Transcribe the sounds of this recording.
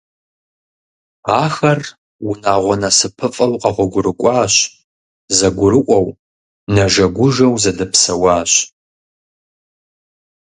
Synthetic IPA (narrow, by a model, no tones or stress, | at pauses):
aːxɐr | wʊnaːʁʷɔnɐsɨpʰɨfʼɐwqʼɐʁʷɔɡʷʊɾɨkʷʼɑːɕ | zɐɡʷʊɾɨʔʷʼɐw | nɐʒɐɡʷʊʒɐwzɐdɨpsɐwɑːɕ